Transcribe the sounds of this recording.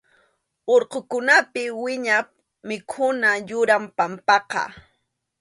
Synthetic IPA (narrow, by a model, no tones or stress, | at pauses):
oɾqokʊnapɪwɪɲa | mɪkʰʊnajʊɾampampɑqɑ̰